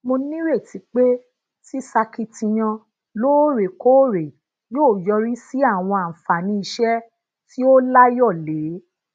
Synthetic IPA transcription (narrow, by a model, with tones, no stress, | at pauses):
mo˧nĩ˦ɾe˦˨ti˨˧k͡pe˦ | ti˦sa˧ki˧tĩ˧j̃ã˧ | lo˦ɾe˨ko˦ɾe˨ | joː˦˨jɔ˧ɾi˦si˦a˦˨w̃ɔ̃˧a˨m̩˨fa˨nĩ˧i˧ʃɛ˦ | ti˦o˦la˦jɔ˦˨le˨˦